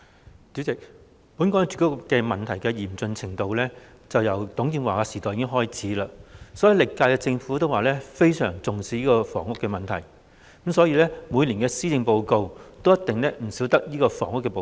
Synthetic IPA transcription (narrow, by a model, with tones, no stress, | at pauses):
si˨˥t͡sɪ˨k̚ | puː˨˥nkɔː˨˥t͡ʃy˨kɔ˥kkːɛː˧mɐ˨nt̪ʰɐ˨˩jkɛː˧jiː˨˩mt͡sɵ˧nt͡sʰɪ˨˩ŋt̪o˨˧wlɛː˥ | t͡sɐ˨wjɐ˨˩wt̪ʊ˨˥ŋjiː˧nwaː˨kaː˧siː˨˩t̪ɔː˨jɪ˧˥kɪ˥ŋɦɔː˥jt͡sʰiː˨˥laː˧sɔː˨˥ji˨˥wlɪ˨kːaː˧jkɛ˧t͡sɪ˧ŋfuː˨˥t̪o˥waː˨lɛː˥fe˥jsœː˨˩ŋt͡sʊ˨ŋsiː˨˩jiː˥kɔː˧fɔ̰ː˨˩ŋʊ˥kːɛː˧mɐ˨nt̪ʰɐ˨˩j | msɔː˨˥jiː˧lɛː˥muː˨˧jliː˨˩nkɛː˧siː˥t͡sɪ˧ŋpo˧wko˧wt̪o˥wjɐ˥t̪ɪ˨ŋlɛː˥m̩˨˩siː˨˥wt̪ɐ˥k̚jiː˥kɔː˧fɔ̰ː˨˩ŋʊ˥kːɛː˧po˨